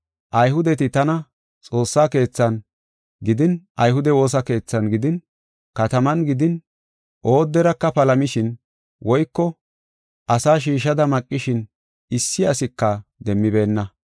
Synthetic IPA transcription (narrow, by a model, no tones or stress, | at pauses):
ʔɐjɦʊd̪ɛt̪ɪt̪ɐnɐ | t͡sʼo̞ːsːaːke̞ːt͡sːɐn | ɡɪd̪ɪnʔɐjɦʊd̪ɛwo̞ːs̬ɐke̞ːt͡sːɐnɡɪd̪ɪn | kɐt̪ɐmɐnɡɪd̪ɪn | ʔo̞ːd̪ːɛɾɐkːɐpɐlɐmɪʃɪn | wʔɔjkːɔ | ʔɐsaːʃ̬iːʃɐd̪ɐmɐkʼːɪʃɪn | ɪsːɪɐsɪkːɐd̪ɛmːɪbe̞ːnːɐ